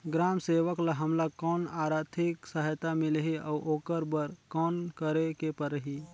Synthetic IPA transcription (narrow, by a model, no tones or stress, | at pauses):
ɡɾaːmseːʋəklaɦɐmlakɔːnaːɾaːt̪ʰɪksəɦjt̪amɪlɦiɔ̰ːʔoːkəɾbəɾkɔːnkəɾekepəɾəɦiː